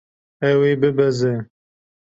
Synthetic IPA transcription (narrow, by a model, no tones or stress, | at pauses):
ɛweːbɨbɛzɛ